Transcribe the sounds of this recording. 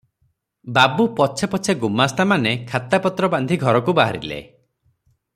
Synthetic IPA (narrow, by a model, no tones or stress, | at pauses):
babupɔt͡ʃʰepɔt͡ʃʰeɡumast̪amanekʰat̪apɔt̪ɾɔband̪ʱiɡʱɔɾɔkubaɦa̰ɾḭlḛ